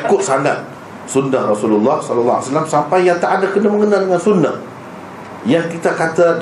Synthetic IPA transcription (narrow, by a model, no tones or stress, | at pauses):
kʊt̪̚saŋat̪̚ | sunːahrɔsululːɔhsɔlalːɔa̰salamsampajaŋt̪aʔadakənaməŋənaldəŋansunːa̰h | jaŋkit̪akat̪a